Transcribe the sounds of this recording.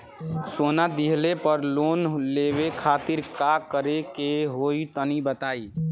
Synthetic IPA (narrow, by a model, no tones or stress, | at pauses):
soːnad̪iɦlepəɾloːnlebekʰaːt̪ɪɾkakəɾekeɦoit̪ənibət̪aːi